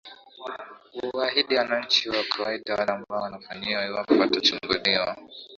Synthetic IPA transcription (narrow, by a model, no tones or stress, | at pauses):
uwaɦiɗianant͡ʃiwakʰawaidanambawanaɸaniwawaɸatat͡ʃiŋɡɔɗiwa